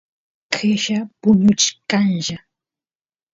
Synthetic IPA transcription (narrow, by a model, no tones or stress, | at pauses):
kʰɪʃapʊɲʊt͡ʃkanʒa